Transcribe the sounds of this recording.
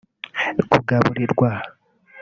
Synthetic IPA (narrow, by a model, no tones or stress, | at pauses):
kuɡaβuɾiɾɡwah